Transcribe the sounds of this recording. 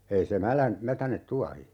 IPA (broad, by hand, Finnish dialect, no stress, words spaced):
ei se mælæn mætænet tuɑhi